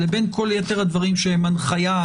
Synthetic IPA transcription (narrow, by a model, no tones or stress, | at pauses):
ebe̞nkʰo̞ljet̪eʁhad̪vaʁimʃeemanχaja